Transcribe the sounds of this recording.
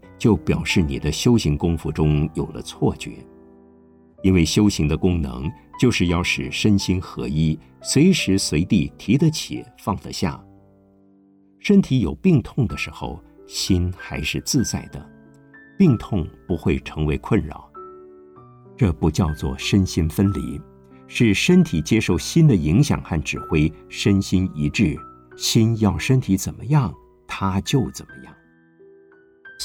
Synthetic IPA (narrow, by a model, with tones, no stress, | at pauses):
t͡ɕjo˥˩ʊpjɑ˨˩ʊʂɻ̩˥˩nḭ˨˩d̪ə˦ɕjo˥ʊɕi˧˥ŋkʊ˥ŋfu˧ʈ͡ʂʊ˥ŋjo˨˩ʊlə̰˦t͡sʰwɔ˥˩t͡ɕɥɛ̰˧˥ | i˥nwe˥˩ɪɕjo˥ʊɕi˧˥ŋd̪ə˧kʊ˥ŋnɤ̰˧˥ŋt͡ɕjo˥˧ʊʂɻ̩˥˧jɑ˥˩ʊʂɻ̩˨˩ʂə˥nɕi˥nxɤ̰˧˥i˥ | swe˧˥ɪʂɻ̩˧˥swe˧˥ɪt̪i˥˩t̪ʰi˧˥d̪ə˧t͡ɕʰḭ˨˩fɑ˥˩ŋd̪ə̰˧ɕja̰˥˩ | ʂə˥nt̪ʰi˧˥jo˨˩ʊpi˥˧ŋt̪ʰʊ˥˩ŋd̪ə˩ʂɻ̩˧˥xo̰˥˧ʊ | ɕi˥nxa˧˥ɪʂɻ̩˥˧t͡sɹ̩˥˧t͡sa˥˩ɪd̪ə̰˩ | pi˥˧ŋt̪ʰʊ˥˩ŋpu˧˥xwe˥˩ɪʈ͡ʂʰɤ˧˥ŋwe˧˥ɪkʰwə˥˩nɻɑ̰˨˩˦ʊ | ʈ͡ʂɤ˥˩pu˧˥t͡ɕjɑ˥˧ʊt͡swɔ̰˥˩ʂə˥nɕi˥nfə˥nlḭ˧˥ | ʂɻ̩˥˩ʂə˥nt̪ʰi˨˩t͡ɕjɛ˥ʂo˥˩ʊɕi˥nd̪ə˨i˧˥ŋɕjɑ̰˨˩ŋxa˥˩nʈ͡ʂɻ̩˨˩xwe˥ɪʂə˥nɕi˥ni˧˥ʈ͡ʂɻ̩˥˩ | ɕi˥njɑ˥˩ʊʂə˥nt̪ʰi˧˥t͡sə˨˩nmə˦jɑ˥˩ŋ | t̪ʰa˥t͡ɕjo˥˩ʊt͡sə˨˩nmə˦jɑ̰˥˩ŋ